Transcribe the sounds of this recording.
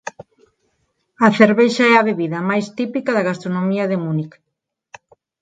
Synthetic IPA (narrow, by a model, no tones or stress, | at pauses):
ɐθeɾβejʃaɛɐβeβiðɐmajst̪ipikaðaɣast̪ɾonomiɐðemunik